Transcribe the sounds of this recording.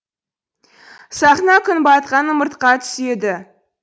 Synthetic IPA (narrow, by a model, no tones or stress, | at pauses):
sɑχnɑkʲʰʏnbɑt̪qɑnəmʊɾt̪qɑt̪ʰʏ̥se̞d̪ɪ